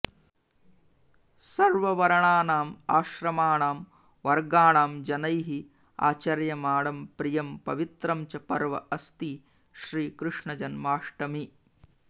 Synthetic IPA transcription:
sɐɾʋɐʋɐɾɐɳaːnaːmaːʃɾɐmaːɳaːm | ʋɐɾɡaːɳaːmd͡ʒɐnɐjɦi | a̰ːt͡ʃɐɾjɐmaːɽɐmpɾijɐmpɐ̰ʋit̪ɾɐmt͡ʃɐpɐɾʋɐ̰ʔɐst̪i | ʃɾiːkɾɨʂɳɐd͡ʒɐnmaːʂʈɐmi

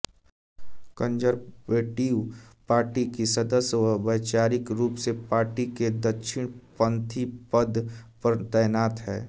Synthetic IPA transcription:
kə̃nd͡ʒəɾbeːʈiːwpaːɾʈikisɐd̪əsjwəbəːt͡ʃaːɾɪkɾuːpsepaːɾʈiked̪ɐkʃʰɪɽ̃pə̃nt̪ʰipəd̪pt̪ɛːnaːt̪ɦɛː

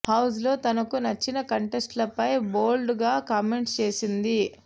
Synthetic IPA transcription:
hɐws̬lo̞ːt̪ɐnɐkunɐt͡ʃːinɐkɐɳʈesʈlɐpɐjbo̞ːlɖɡaːkɐmeɳʈst͡ʃe̞ːsind̪i

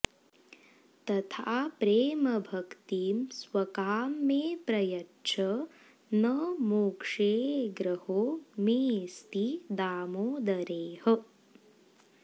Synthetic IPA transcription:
t̪ɐt̪ʰaːpɾeːmɐbʱɐkt̪iːmsʋɐkaːmːeːpɾɐjɐtːt͡ʃʰɐ | nɐmuːkʂeːɡɾɐhoːmeːst̪id̪aːmoːd̪ɐɾeːhɐ

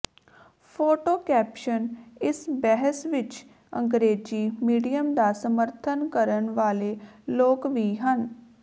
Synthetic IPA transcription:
pʰoːʈoːkɛːpʃənɪsbɛɦəsʋɪt͡ʃ | əŋɡɾeːd͡ʒiːmiːɖijəmd̪aːsəməɾt̪ʰənkəɾənʋaːleːloːkʋiːɦən

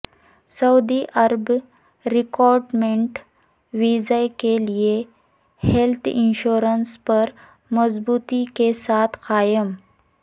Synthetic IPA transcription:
sɐud̪iʔɐɾb | ɾikɔɾɖmeɳʈ | ʋizajkelie | helt̪ʰḭnɕoɾənspəɾ | məzbuːt̪ikesat̪ʰqaːjəm

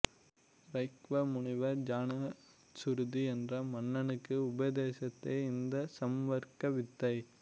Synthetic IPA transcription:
ɾɐɪkʋɐmʊɳɪʋɐɾd͡ʒaːnɐ | sʊɾðiɛndrɐmɐnːɐnɯkːɯʊbɐðeːsɐt̪ːeːɪnd̪ɐsɐmʋɐɾkɐʋɪt̪ːɐɪ

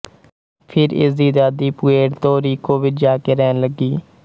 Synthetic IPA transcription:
pʰɪɾɪ̰sd̪iːd̪aːd̪iːpʊeːʈt̪oːɾiːkoːʋɪt͡ʃd͡ʒaːkeːɾɛːnləɡiː

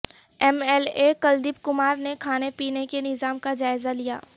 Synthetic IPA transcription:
ɛmɛːlekɐld̪ip̚kʊmaːɾnekʰaːnepiːnekenɪzaːmkad͡ʒaːɪzalija̰ː

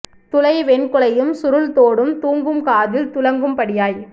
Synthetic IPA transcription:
t̪ʊlɐɪʋɛnkʊɭɐjɯmsʊɾɯlt̪oːɽɯmt̪uːŋɡɯmkaːðɪlt̪ʊlɐŋɡɯmpɐɽɪjaːj

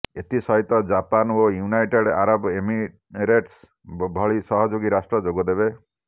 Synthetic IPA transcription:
et̪isɔɦit̪ɔd͡ʒapanojunajʈeɽʔaɾɔbemi | ɾeʈs | bʱɔɭisɔɦɔd͡ʒoɡiɾasʈɾɔd͡ʒoɡɔd̪ebe

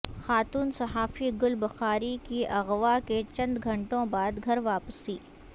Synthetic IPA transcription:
xaːt̪uːnsɐɦaːfiɡʊlbɐxaːɾikiɐɣʋaket͡ʃɐ̃nd̪ɡʱɐ̃ɳʈõbaːd̪ɡʱɐɾʋaːpəsiː

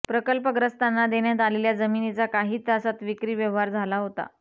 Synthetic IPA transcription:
pɾəkəlpəɡɾəst̪anːad̪eɳjat̪̬aleljad͡zəminit͡sakaɦiːt̪əsat̪ʋikɾiːʋjəʋɦaɾd͡zʱalaɦot̪a̰

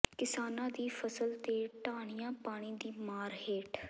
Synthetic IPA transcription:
kɪsaːnãːd̪iːfʰəsəlt̪eːʈaːɽ̃ijãːpaːɽ̃iːd̪iːmaːɾɦeːʈʰ

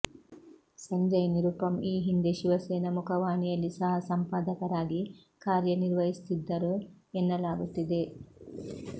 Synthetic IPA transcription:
sɐɲd͡ʒɐjɐniɾupɐmiːɦind̪eʃiʋɐseːnɐmukʰɐʋaːnijɐlːisɐɦɐsɐmpaːd̪ɐkɐɾaːɡi | kaːɾjɐniɾʋɐɦist̪id̪ːɐɾu | enːɐlaːɡut̪ːid̪e̞

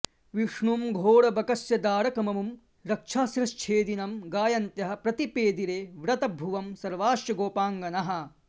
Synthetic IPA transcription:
ʋiʂɳumɡʱoːɽɐbɐkɐsjɐd̪aːɾɐkɐmɐmum | ɾɐkʂʰaːsɾɐʃt͡ʃʰeːd̪inɐmɡaːjɐnt̪jɐɦɐ̆pɾɐt̪ipeːd̪iɾeːʋɾɐt̪ɐbʱuʋɐmsɐɾʋaːʃjɐɡoːpaːŋɡɐnɐɦɐ̆

